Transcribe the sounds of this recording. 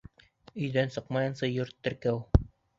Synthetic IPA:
ɵ̆jðænsɤqmɑjɤ̆nsɤjoɾt̪ːɘ̆ɾkæw

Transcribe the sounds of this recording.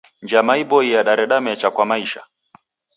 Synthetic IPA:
ɲd͡ʒamaiɓɔijaɗaɾɛɗamɛt͡ʃakwamaiʃa̰

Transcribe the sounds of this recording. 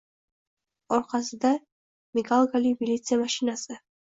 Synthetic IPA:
ɔɾχasd̪a | miɡalˠɡalibilit̪sʰiamaʃinazɛ

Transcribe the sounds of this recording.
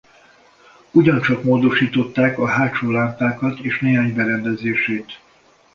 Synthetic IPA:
uɟɒnt͡ʃɒkmoːd̪o̞ʃiːt̪o̞t̪ːaːkɒɦaːt͡ʃoːlaːmp̪aːkɒt̪eːʃneːɦaːɲbɛɾɛnd̪ɛzeːʃeːt̪

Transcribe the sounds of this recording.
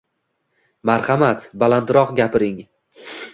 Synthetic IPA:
maɾχɑmat̪balant̪ɾɒqɡʲapɪɾɪŋ

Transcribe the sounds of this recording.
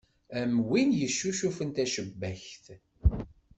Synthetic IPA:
æmwinjəʃːuʃufənt̪æʃəbːæçθ

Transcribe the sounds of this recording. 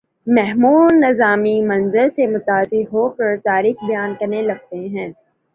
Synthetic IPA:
mɛɦmuːnːɪzaːmimɐ̃nzəɾsemʊt̪aːzɪɾɦokəɾt̪aːɾiːxbɐjaːnkɐɾnelɐɡ̚t̪eɦɛ̃ː

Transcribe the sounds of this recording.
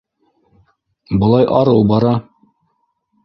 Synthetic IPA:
bɤ̆lˠɑjʔɑɾɤw̪ˠbɑɾɑ

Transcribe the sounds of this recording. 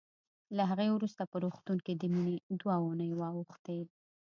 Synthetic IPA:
laɦaɣewɾust̪apəɾoxt̪uŋked̪əmined̪waunəjwɑwuxt̪e

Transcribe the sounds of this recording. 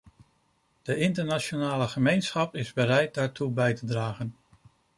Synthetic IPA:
d̥əɪntəɹnat͡ʃonaːləχəmejnsχɑpɪzbəɾɛjt̚daːɹtubɛjtədraːχən

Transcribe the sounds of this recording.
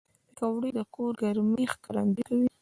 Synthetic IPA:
ləkawɽid̪əkoɾɡaɾmixkaɾand̪ikawi

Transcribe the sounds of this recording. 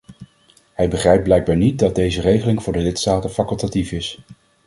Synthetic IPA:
hɛjbəχrɛjp̚blɛjɡ̚baːɹnit̚dɑd̚dejzərejχəlɪŋvʊːɹdəlɪtstaːtənfakɵlˠtatifɪs

